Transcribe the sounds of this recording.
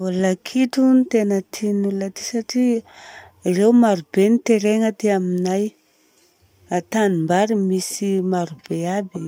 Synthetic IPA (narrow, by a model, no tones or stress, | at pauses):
olakʰiʈ͡ʂunit̪enət̪ʰinulat̪i̥saʈ͡ʂi | rewumaɾubenit̪eɾeŋət̪eaminaj | at̪animbaɾimisimaɾub̥eabi